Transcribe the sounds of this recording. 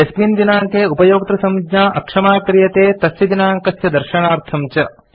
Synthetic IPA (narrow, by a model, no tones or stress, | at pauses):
espiːnd̪inaːŋkeːupɐjoːk̚t̪ɾɐsɐmd͡ʒɲaːʔɐkʂɐmaːkɾijɐt̪eːt̪ɐsjɐd̪inaːŋkɐsjɐd̪ɐɾʃɐɳaːɾt̪ʰɐmt͡ʃɐ